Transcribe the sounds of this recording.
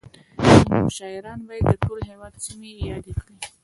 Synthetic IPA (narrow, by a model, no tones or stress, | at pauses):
nʃɑɪɾɑnbajd̪əʈolohewɑd̪simeːjɑd̪ekɽi